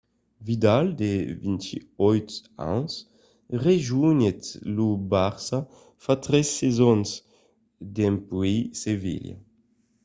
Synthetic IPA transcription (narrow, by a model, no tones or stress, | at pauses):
vid̪ald̪evint̪ḭɔjt̪ã̰ns | ʁeʒuɲet̪lubaʁsa | fat̪ʁɛsːezɔns | d̪empwisevḭlja̰